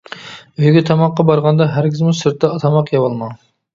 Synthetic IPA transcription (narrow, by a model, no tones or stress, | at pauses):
øjɡʲɛt̪ʰɑmɑqːɑbɑɾʁɑnd̪ɑɦæɾkʲʰizmusɨɾt̪ːɛːt̪ʰɑmɑqjɑwɑlˠmɑ